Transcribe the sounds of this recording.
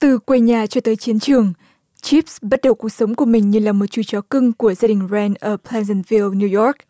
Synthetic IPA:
t̪ɨ˨˩kwe˧ɲaː˨˩t͡ɕɔ˧t̪əː˨˦jt͡ɕi˨˦ənt͡ɕɨ˨˩əŋ | t͡ɕi˦˥p̚sɓə˦˥t̚ɗə˨˩wku˨˩ək̚sə˨˦wŋ͡mku˧˩əmï˨˩ŋ̟ɲɨ˧˩laː˨˩mo˨˩t̚t͡ɕu˧˩t͡ɕɔ˨˩˦kɨ˧ŋku˧˩əzaː˧ɗï˨˩ŋ̟zɛ˧nʔəː˧˩pʰlɛ˧zɛ˧nvi˧lnu˧jɔ˦˥k̚

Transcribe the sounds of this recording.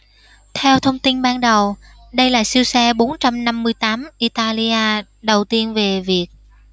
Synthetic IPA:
t̪ʰɛ˧wt̪ʰə˧wŋ͡mt̪i˧nɓaː˧nɗə˨˩w | ɗə˧jlaː˨˩jsi˧wsɛ˧ɓo˨˦nt͡ɕa˧mna˧mːɨ˧əjt̪aː˨˦mʔi˧t̪aː˧li˧ʔaː˧ | ɗə˨˩wt̪i˧ənve˨˩vi˨˩ək̚

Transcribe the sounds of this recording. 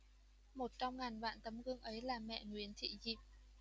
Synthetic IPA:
mo˨˩t̚t͡ɕɔ˧wŋ͡mŋa˨˩jŋva̰ː˧˨nt̪ə˨˦mɣɨ˧əŋʔə˨˦jlaː˨˩mɛ̰˧˨ŋwi˨˦ənt̪ʰḭ˧˨zi˨˩p̚

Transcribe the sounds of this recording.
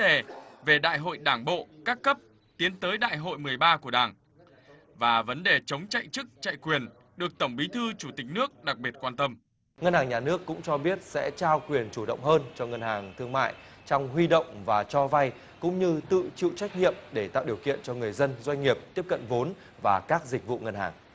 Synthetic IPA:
ɗe˨˩ve˨˩ɗa̰ː˧˨jɦo̰˧˨jɗaː˧˩ŋɓo̰˧˨kaː˦˥kːə˦˥p̚ | t̪i˨˦ənt̪əː˨˦jɗa̰ː˧˨jɦo̰˧˨jmɨ˨˩əjɓaː˧ku˧˩əɗaː˨˩ŋ | vaː˨˩və˨˦nɗe˨˩t͡ɕə˨˦wŋ͡mt͡ɕa̰˧˨jt͡ɕɨ˦˥k̚t͡ɕa̰˧˨jkwi˨˩ən | ɗɨ˨˩ək̚t̪ə˧˩wŋ͡mɓi˨˦t̪ʰɨ˧t͡ɕu˧˩t̪ï˨˩k̟̚nɨ˦˥ək̚ɗa˨˩k̚ɓi˨˩ət̚kwaː˧nt̪ə˧m | ŋə˧nhaː˨˩ŋɲaː˨˩nɨ˦˥əkːʊ̰˧˥ŋ͡mt͡ɕɔ˧ɓi˦˥ət̚sɛ̰˧˥t͡ɕaː˧wkwi˨˩ənt͡ɕu˧˩ɗə̰˧˨wŋ͡mɦəː˧nt͡ɕɔ˧ŋə˧nhaː˨˩ŋt̪ʰɨ˧əŋma̰ː˧˨j | t͡ɕɔ˧wŋ͡mɦwi˧ɗə̰˧˨wŋ͡mvaː˨˩t͡ɕɔ˧va˧j | kʊ̰˧˥ŋ͡mɲɨ˧t̪ɨ̰˧˨t͡ɕḭ˧˨t͡ɕa˦˥jk̟̚ɲḭ˧˨əmɗe˧˩t̪a̰ː˧˨wɗi˨˩əwkḭ˧˨ənt͡ɕɔ˧ŋɨ˨˩əjzə˧nzwa˧jŋ̟ŋi˨˩əp̚t̪i˦˥əp̚kə̰˧˨nvo˨˦n | vaː˨˩kaː˦˥k̚zï˨˩k̟̚vṵ˧˨ŋə˧nha̰ː˨˩ŋ

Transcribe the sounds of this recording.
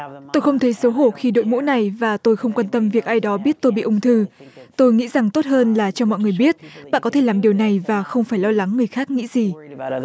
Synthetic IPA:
t̪o˧jxə˧wŋ͡mt̪ʰə˨˦jso˨˦ɦo˧˩xi˧ɗo̰˧˨jmṵ˧˥na˨˩jvaː˨˩t̪o˧jxə˧wŋ͡mkwa˧nt̪ə˧mvi˨˩ək̚ʔaː˧jɗɔ˨˦ɓi˦˥ət̚t̪o˧jɓḭ˧˨ʔʊ˨˧ŋ͡mt̪ʰɨ˧t̪o˧jŋḭ˧˥za˨˩ŋt̪o˦˥t̚həː˧nlaː˨˩t͡ɕɔ˧mɔ̰˧˨jŋɨ˨˩əjɓi˦˥ət̚ɓa̰ː˧˨nkɔ˨˦t̪ʰe˧˩laː˨˩mɗi˨˩əwna˨˩jvaː˨˩xə˧wŋ͡mfaː˧˩jlɔ˧la˨˦ŋːɨ˨˩əjxaː˦˥k̚ŋḭ˧˥zi˨˩

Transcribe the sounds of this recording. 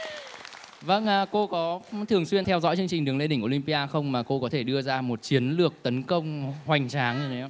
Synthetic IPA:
və˧nʔːko˧kɔ˨˦t̪ʰɨ˨˩əŋswi˧ənt̪ʰɛ˧wzɔ̰˧˥jt͡ɕɨ˧ŋt͡ɕï˨˩ŋ̟ɗɨ˨˦əŋle˧ɗï˧˩ŋʔo˧˩li˧ŋpi˧ʔaː˧xə˧wŋ͡mmaː˨˩ko˧kɔ˨˦t̪ʰe˧˩ɗɨ˧əzaː˧mo˨˩t̚t͡ɕi˨˦ənlɨ˨˩ək̚t̪ə˨˦nkə˧wŋ͡mhwa˨˩jŋ̟t͡ɕaː˨˦ŋɲɨ˧˩˨

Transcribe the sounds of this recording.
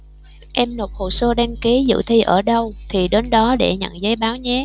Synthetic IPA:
ʔɛ˧mno˨˩t̚ho̰˧˨˩səː˧ɗaː˧ŋki˨˦zɨ̰˧˨t̪ʰi˧ʔəː˧˩ɗə˧wt̪ʰi˨˩ɗe˨˦nɗɔ˨˦ɗe˧˩ɲə̰˧˨nzə˨˦jɓaː˨˦wɲɛ˨˦

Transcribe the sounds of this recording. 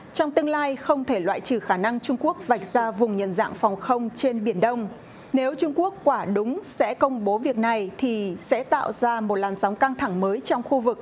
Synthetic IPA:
t͡ɕɔ˧wŋ͡mt̪ɨ˧əŋlaː˧jxə˧wŋ͡mt̪ʰe˧˩lwa̰ː˧˨jt͡ɕɨ˧˩xaː˧˩na˧ŋt͡ɕʊ˧ŋ͡mku˦˥ək̚va˨˩jk̚zaː˧vʊ˨˩ŋ͡mɲə̰˨˩nza̰ː˧˨ŋfɔ˨˩wŋ͡mxə˧wŋ͡mt͡ɕe˧nɓi˧˩ənɗə˧wŋ͡m | ne˨˦wt͡ɕʊ˧ŋ͡mku˦˥əkːwaː˧˩ɗʊ˨˦ŋ͡msɛ̰˧˥kə˧wŋ͡mɓo˨˦vi˨˩ək̚na˨˩jt̪ʰi˨˩sɛ̰˧˥t̪a̰ː˧˨wzaː˧mo˨˩t̚laː˨˩nsɔ˨˦wŋ͡mka˧ŋt̪ʰa˧˩ŋməː˨˦jt͡ɕɔ˧wŋ͡mxu˧vɨ˨˩k̚

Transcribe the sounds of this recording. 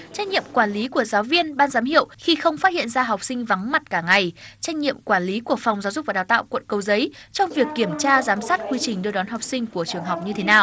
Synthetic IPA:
t͡ɕa˦˥jk̟̚ɲḭ˧˨əmkwaː˧˩nli˨˦ku˧˩əzaː˨˦wvi˧ənɓaː˧nzaː˨˦mhḭ˧˨əwxi˧xə˧wŋ͡mfaː˦˥hḭ˧˨ənzaː˧ɦa˨˩wk͡p̚sï˧ŋ̟va˨˦ŋma˨˩t̚kaː˧˩ŋa˨˩jt͡ɕa˦˥jk̟̚ɲḭ˧˨əmkwaː˧˩nli˨˦ku˧˩ək̚fa˨˩wŋ͡mzaː˨˦zʊ˨˩k͡p̚vaː˨˩aː˨˩wt̪a̰ː˧˨wkwə̰˧˨nkə˧˩wzə˨˦jt͡ɕɔ˧wŋ͡mvi˨˩əkːi˧˩əmt͡ɕaː˧zaː˨˦msaː˦˥t̚kwi˧t͡ɕï˨˩ŋ̟ɗɨ˧əɗɔ˨˦nɦa˨˩wk͡p̚sï˧ŋ̟ku˧˩ət͡ɕɨ˨˩əŋɦa˨˩wk͡p̚ɲɨ˧t̪ʰe˨˦naː˨˩w

